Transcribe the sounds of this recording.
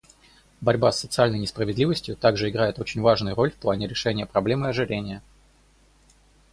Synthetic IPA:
bɐɾʲbasːət̪sɨalʲnəjnʲɪspɾəvʲɪd̪lʲivəsʲtʲjʊt̪aɡʐɨɪɡɾajɪt̪o̞t͡ɕɪnʲvaʐnʊjʊɾo̞lʲfplˠanʲɪɾʲɪʂɛnʲɪjəpɾɐblʲe̞mɨɐʐɨɾʲenʲɪjə

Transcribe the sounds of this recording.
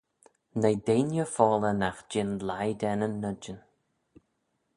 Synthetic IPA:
nəjd̪eːnjəfɔːlənaxd͡ʒɪnlajd̪ɛnənːəd͡ʒən

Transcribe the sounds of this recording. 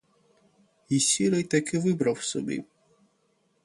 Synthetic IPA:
isʲiɾɐjt̪akɪʋɪbɾɐwsɔ̰bʲḭ

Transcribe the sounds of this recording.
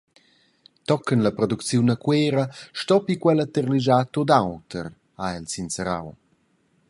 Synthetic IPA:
t̪ɔkːənləpɾɔd̪ukt͡sjunəkweːɾəʃtɔpikwɛlət̪ərliʒat̪od̪awt̪əɾ | aɛlsinsəɾa̰w

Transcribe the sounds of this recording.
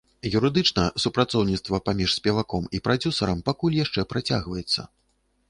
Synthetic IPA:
juɾɨd̪ɨt͡ʂnɐsupɾat̪sɔwnʲit̪st̪vɐpamʲiʂsʲpʲɛvakɔmipɾad͡zʲusɐɾɐmpakulʲjaʂt͡ʂɛpɾat͡sʲa̰ɣvɐjɛt̪sːɐ̰

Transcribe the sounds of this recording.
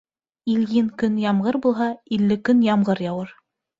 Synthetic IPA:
iljinkɵnjɑmʁɤɾbulˠɦɑilːɘkɵnjɑmɢɤɾjɑwɤɾ

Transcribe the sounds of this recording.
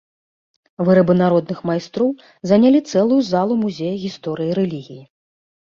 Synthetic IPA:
vɨɾɐbɨnaɾɔd̪nɨxmajst̪ɾɔw | zɐnʲalʲit̪sɛlˠujuzalˠumuzʲejɐɣʲist̪ɔɾɨjiɾɛlʲiɣʲiji

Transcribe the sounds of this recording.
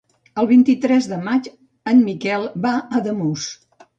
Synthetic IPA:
əlˠβint̪it̪ɾɛzðəmat͡ʃ | ənmikɛlˠbaəðəmus

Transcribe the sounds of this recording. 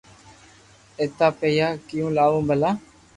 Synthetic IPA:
eːt̪aːpeːjaːkɪjũːlaːʋõːbʱəlaː

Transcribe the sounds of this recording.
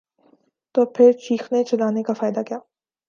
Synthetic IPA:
t̪oːpʰɪɾt͡ʃiːxnet͡ʃɐlaːnekafaːɪd̪akijaː

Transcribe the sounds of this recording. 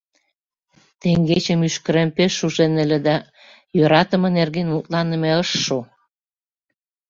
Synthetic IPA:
t̪eŋɡet͡ɕəmyʃkə̆ɾempeʃːuʒenə̆lĕd̪ɑ | jøɾɑt̪ə̆mɤ̆nerɣenmut̪lɑnə̆meəʃːo

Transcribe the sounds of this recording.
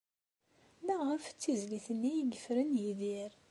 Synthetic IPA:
læʁəft͡sːizliθənːijiɡəfɾənjiðiɾ

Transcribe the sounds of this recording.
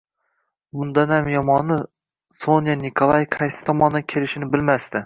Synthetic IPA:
bʊnd̪anhamjɒmɒnːɪ | sonjanɪkʰolˠajqʰɑjsɪ̥t̪ʰɒmɒnd̪akʲʰe̞lɪʃɪnɪbɪlmast̪ɪ

